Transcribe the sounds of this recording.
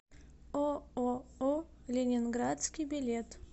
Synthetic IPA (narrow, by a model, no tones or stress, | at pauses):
ooo | lʲɪnʲɪnɡɾat̪skʲijbʲɪlʲet̪